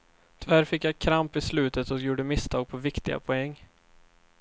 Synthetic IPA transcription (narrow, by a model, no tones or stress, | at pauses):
t̪ʰʏvæɾfɪkːjakʰɾampɪslʉ̟ːt̪ət̪ɔkjuːɖəmɪst̪ʰɑːɡ̚pʰɔvɪkt̪ɪɡa̰pʰɔɛŋː